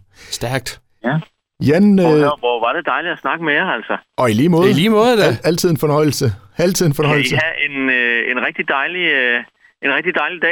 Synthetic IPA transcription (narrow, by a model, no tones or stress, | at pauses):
sd̥æɐɡ̥̚d̥ | jæ | jænøʋɒʋɑ̈d̥ed̥ɑ̈ɪli̥ɒsnɑ̈ɡ̥əmejaæl̰sɐɒ̽iliːmɔ̽ːð̩ˠliːmɔ̽ːð̩ˠd̥ææl̰t͡sʰiðˠenfɒ̽nɒ̽ɪ̰l̩sə | æl̰t͡sʰiðˠe̝nfɒ̽nɒɪ̰ləhæʔe̝ne̝nʁɛɡ̥̚d̥id̥ɑ̈ɪli | e̝nʁɛɡ̥̚d̥id̥ɑ̈ɪlid̥ɛ̰